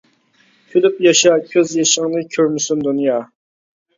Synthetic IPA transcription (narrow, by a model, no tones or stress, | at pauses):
kʲʰylypjɑʃɑkʲʰøzjeʃɪŋnɨkʲʰøɾnɪsynd̪unjɑː